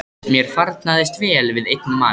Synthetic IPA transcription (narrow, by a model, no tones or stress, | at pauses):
mjɛɾ̥faɾt̪naðɪst̪vɛːlvɪðejt̪̚nʏmaː